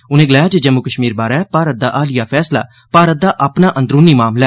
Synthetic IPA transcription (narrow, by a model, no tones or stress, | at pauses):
ʊnẽːɡəlaːjaːd͡ʒed͡ʒəmːukəʃmiːɾbaːɾaɛːpaːɾət̪̚d̪a̰ːʔaːlɪjaːpʰɛːsla̰ː | paːɾət̪̚d̪aːʔapnaːʔə̃nd̪ɾuːniːmaːmlɛː